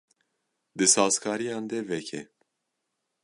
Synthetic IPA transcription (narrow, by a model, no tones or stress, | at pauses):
d̪ɨsɑːzkʰɑːɾijɑːnd̪ɛvɛkʰɛ̰